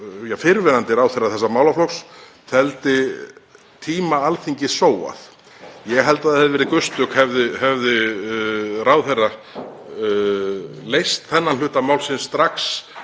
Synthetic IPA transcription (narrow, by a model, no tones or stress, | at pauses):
jafɪɾvɛnant̪ɪɾaːwθejrːaθɛs̬ːamaːwlaflɔks | θɛlt̪ɪ | t̪ʰiːmaalθiɲcɪsoːwa̰θ | jɛɣɦɛlt̪aðhɛðɪvɛːɾɪkʏst̪ʏkhɛvðɪhɛvðɪ | raːwθerːa | lejst̪θɛnːanlʏːht̪amaːwlsɪnst̪ɾaks